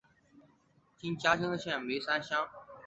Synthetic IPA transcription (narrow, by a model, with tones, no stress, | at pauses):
t͡ɕĩ˥nt͡ɕjaː˥ɕĩ˥ŋd̪ə˧ɕjɛ̃˥˩˨ŋme˧˥sa˥nɕjɑ̃˥ŋ